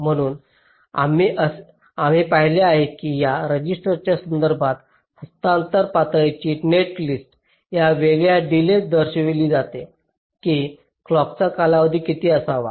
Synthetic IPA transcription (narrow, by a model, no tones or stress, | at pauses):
m̤əɽ̃uːn | a̰miʔəs | am̤ipaɦileaɦekiːjaɾəd͡ʑisʈəɾt͡ɕjasənd̪əɾbʱat̪ | həst̪ant̪əɾpat̪ɾat͡ɕiːneʈlisʈ | jaʋeɡɭjaɖiled̪əɾɕʋeliːd͡zat̪e | kiː | klɔk̚t͡sakalaʋəd̪ʱiːkit̪iːəsaʋa̰